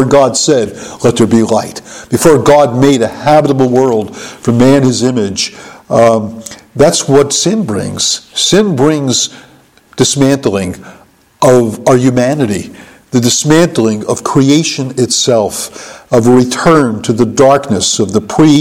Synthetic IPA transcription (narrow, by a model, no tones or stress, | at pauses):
ɹɡɑdsɛd̚lɛt̪̚ðə˞bilaɪtb̥ɨfɔɹɡɑd̚meɪɾɨhæbəɾəbl̩ˠwɜ˞lˠd̥fɹʌ̃mːæ̃nɨzɪ̃mɪd͡ʒ | ðætswʌtsɪ̃nbɹɪ̰̃ŋz̥sɪ̃nbɹɪ̃ŋz | d̥ɨsmæ̃ntl̩ˠɪ̃ŋ | ʔʌvjʉmænɨɾi | ðɨdɨsmæ̃ntˡl̩ˠɪ̃ŋʌv̥kʰɹ̥ieɪʃɨ̃nɨtsɛlˠfʌvəɹɨtʰɜ̃˞ntʰɨðɨdɑɹknɨsʌvðəpʰɹ̥i